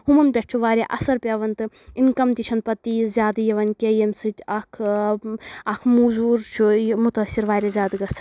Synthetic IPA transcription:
humɐnpʲeʈ̚t͡ʃʰuʋaːɾʲeʔɐsɐɾpʲeʋɐnt̪ɨ | inkɐmt̪it͡ʃʰɐnpɐt̪ːizʲaːd̪ɨjɐʋɐnkʲejɐmʲsɨt̪ʲɐkʰ | ɐkʰmuːzuːɾt͡ʃʰumut̪ɐsiɾʋaːɾʲɐzʲaːd̪ɨɡɐt͡sʰ

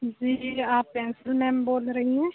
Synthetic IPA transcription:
d͡ʒiːaːpːɛ̃ːnsəlmɛːmboːlɾəɦiɦɛ̃ː

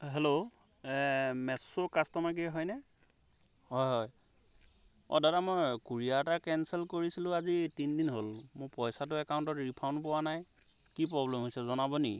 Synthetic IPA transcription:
ɦelo | ɛmɛsʊkastɔmaɡiɦɔjnɛ | ɦɔjɦɔj | ɔ̰dadamɔjkuɹijatakɛnsɛlkoɹisilʊ̃azitindinɦolmʊɹpɔjsat̬ʊɛkawntɔtɹipʰawnpʊwanaj | kipɹɔblɛmɦojsɛzɔnabɔni

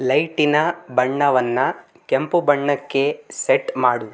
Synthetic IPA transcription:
lɐjʈinɐbɐɳːɐʋɐnːɐ | kempubɐɳːɐkːe̞seʈmaːɽu

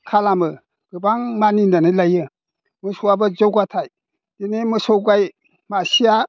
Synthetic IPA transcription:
kʰalamɯ | ɡ̥ɯbaŋmaninanɯlajɯ | mɯsuabɯzowɡatʰaj | d̥inemɯsowɡaj | masija

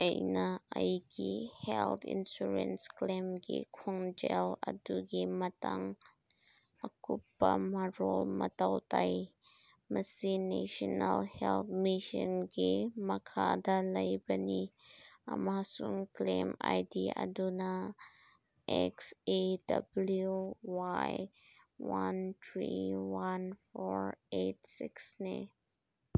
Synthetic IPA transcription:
ʔejnaʔəjkihɛlt̪ʰḭnsuɾɛnsklɛmɡḭkʰɔŋd͡ʒɛlʔəduɡimət̪ɐŋ | ʔəkupːamarɔlmət̪ɐwt̪ɐj | məsineʃɔnɐlhɛlt̪̚miʃənɡimɐkʰad̪alɐjbɐniɐmasuŋklemajdiaduna | ʔɛksedɐbluwaj | want̪ʰɹiwanfoɹetsɪksne

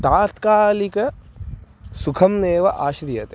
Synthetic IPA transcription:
t̪aːt̪kaːlikɐ | sukʰɐmneːʋɐʔaːʃd̪ijɐt̪

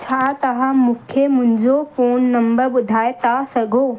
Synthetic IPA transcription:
t͡ɕʰaːt̪ɐʋãmũkʰemʊ̃ɦɪ̃ɲd͡ʑofoːnːɐmbəɾɓʊd̪ʱaːet̪asɐɡʱoː

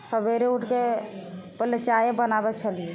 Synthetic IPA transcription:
səbeɾeuʈʰke | pəlet͡ʃajebənabɛt͡ʃʰəlie

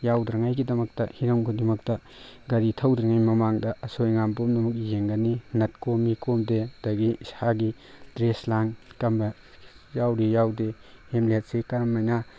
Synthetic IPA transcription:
jawdɾɐŋajɡidɐmɐk̚tɐhiɾoŋɡʰudimɐk̚tɐ | ɡɐɾitʰɐwdɾɐŋajmɐmaŋdɐɐsojŋambomnɐmuk̬̚jeŋɡɐninɐt̚komːikomdedɐɡisaɡi | dɾeslaŋkɐmbɐ | jawɾijawdehemlet̚sekɐɾɐmːajna

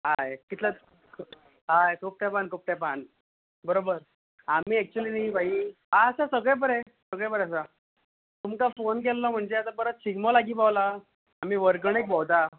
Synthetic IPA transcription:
ɦajkit̪la | kʰ | ɦajkʰuːp̚ʈ̪ɛpankʰuːp̚t̪ɛpan | bəɾobəɾ | am̤iːɛk̚t͡ɕuəliːnaibʱaiɦaəsasəɡɭep̬əɾɛ | səɡɭebəɾasa | t̪umkafonk̬elːɔm̤əɳd͡zeasapəɾət̪̚t͡ɕiɡmɔlaɡiːpaʋlaː | m̤iːʋəɾkəɳek̚bɔwd̪a

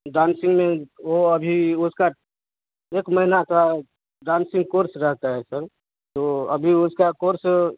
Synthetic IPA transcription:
ɖaːnsɪ̃ŋɡmẽʋoɐbʱiʊska | eːkməɦɪnak̪a | ɖaːnsɪ̃ŋɡkoːɾsɾɛɦt̪aɦɛsəɾ | t̪oɐbʱiʊskakoːɾs

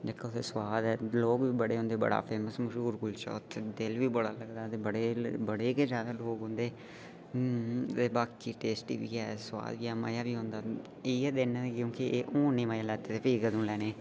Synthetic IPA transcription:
d͡ʒekːaʊt̪ʰeːswaːd̪ɛːloːɡʋiːbəɽeːɦõːnd̪eːbə̰ɽa̰ːpʰeːməsməʃuːɾɡʊlt͡ʃɔ̰ːt̪ʰːed̪ɪlʋiːbəɽaːləɡd̪aːt̪eːbəɽeːbəɽeːkeːd͡ʒjaːd̪aːloːɡɦõːnd̪eː | t̪eːbaːkiːʈeːsʈḭːʋḭːɛːswa̰ːd̪iːɛːma̰ːjaːʋiːɦõːnd̪aː | eːɛːd̪eːnãkjõːkiʔeːʔõːnːiːmaːjaːlɛːt̪eːt̪eːpʰiːkəd̪ũːlɛːneː

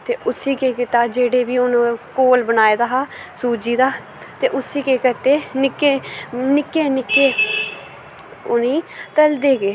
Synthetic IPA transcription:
t̪eːʔʊsiːkeːkɪt̪aːd͡ʒeːɽeːʋiːʊnːkoːlbənaːeːd̪aːɦaːsuːd͡ʒiːd̪aː | t̪eːʔʊsiːkeːkɪɾt̪eːnɪkeːnɪkeːnɪkːeː | ʊnĩːt̪əld̪eːɡeː

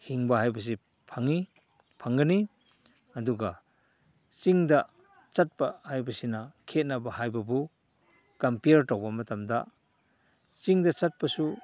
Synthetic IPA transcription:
hiŋbaɦajbɐs̬i | pʰaŋi | pʰaŋɡɐni | ɐduɡa | t͡ʃiŋda | t͡ʃat̚pahajbɐsinɐkʰet̚nabɐhajbɐbu | kampiaɾtawbɐmɐtamda̰ | t͡ʃiŋdɐt͡ʃat̚pɐsu

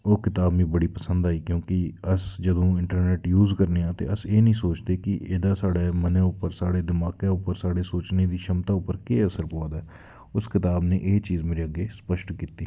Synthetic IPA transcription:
oːkɪt̪aːbmĩːbəɽiːpəsə̃nd̪aːiːkjõːkiəsd͡ʒəd̪õːɪ̃ɳʈəɾneːʈjuːzkəɾneːãːt̪ḛːəseːnəɦĩːsoːt͡ʃd̪eːkɪʔeːd̪aːsaːɽeːmənẽːʊpəɾsaːɽeːd̪ɪmaːkẽːʊpəɾsaːɽeːsoːt͡ʃned̪iːʃəmt̪aːʊpːəɾkeːəsəɾpoːad̪aː | ʊskɪt̪aːbnẽːʔeːt͡ʃiːzmeːɾeːəɡeːspəʃʈkiːt̪iː

